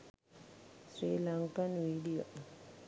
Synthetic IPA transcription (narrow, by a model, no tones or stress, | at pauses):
sɾilaŋkanwiɖio